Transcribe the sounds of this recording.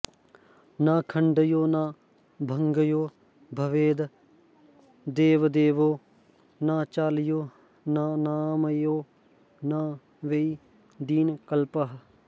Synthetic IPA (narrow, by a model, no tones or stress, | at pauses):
naːkʰəɳɖəjoːnaː | bʱəŋɡəjoː | bʱəʋeːd̪ | d̪eːʋd̪eːʋoː | naːt͡ʃaːlɪjoː | naːnaːməjoː | naː | ʋei | d̪iːnkəlpəɦ